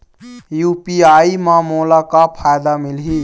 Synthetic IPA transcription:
juːpiaːimãːmoːlakapʰaːjd̪amɪlɦiː

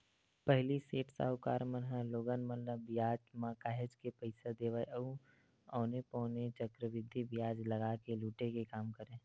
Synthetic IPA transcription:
pəɦliseːʈsa̰ːɦʊka̰ːɾmənɦɛ̃loːɡənmənːəbɪjaːd͡ʒmãːkaːɦed͡ʒkepəɪsəd̪eːʋaːiʔəũ | ɔːnepɔːnet͡ʃəkɾəʋɪd̪ʱːibɪjaːd͡ʒləɡakeluːʈekekaːmkəɾẽː

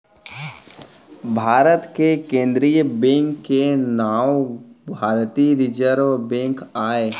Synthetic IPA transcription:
bʱaːɾət̪kekẽːnd̪ɾijəbẽːŋkːenaːwbʱaːɾt̪iɾɪd͡ʒəɾʋbẽːŋkaːe

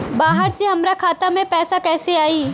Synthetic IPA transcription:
baːɦəɾseɦɐmɾakʰaːt̪amẽpɛːsakɛːseaːiː

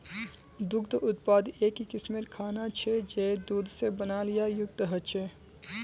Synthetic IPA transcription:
d̪ʊɡd̪ʔʊt̪paːd̪eːkikɪsmeɾkʰaːnat͡ʃʰɛd͡ʒed̪uːd̪ʱsebənaːlijajʊk̚t̪əɦət͡ʃʰɛ

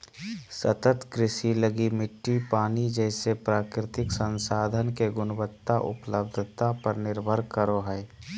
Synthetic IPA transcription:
sət̪ət̪kɾɪsiləɡimɪʈːipaːnid͡ʒɛɪsepɾaːkɾɪt̪ɪksə̃nsaːd̪ʱənkeɡʊnəbət̪ːaʔʊ̰pləb̚d̪ʱt̪apəɾnɪɾbʱəɾkəɾoɦɛɛ

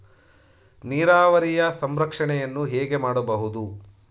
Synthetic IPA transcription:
niːɾaːʋɐɾijɐsɐmɾɐkʂɐɳɛjɐnːuɦɛːɡemaːɽɐbɐɦud̪u

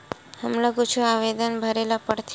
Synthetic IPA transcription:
həmləɡũt͡ʃʰuaʋed̪ənbʱəɾelapəɾt̪ʰ

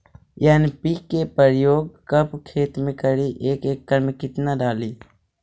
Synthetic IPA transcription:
jaːnipiːkepəɾjoːɡ̚kəpkʰeːt̪mẽkəɽiʔeːkeːkːəɾmẽkɪt̪naɖaːliː

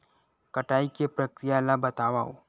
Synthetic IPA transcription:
kɐʈaːikepɾɐkɾɪjalabɐt̪aːʋao̰ː

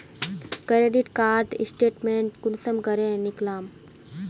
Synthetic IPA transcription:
kɾeɖiʈkaːɾɖḭsʈeːʈmeɳʈkunsɐmɡɐɾẽniklaːm

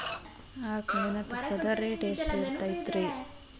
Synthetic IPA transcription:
aːkɐɐnɐt̪upːɐd̪ɐɾeʈeːsʈiɾt̪ajit̪ɾi

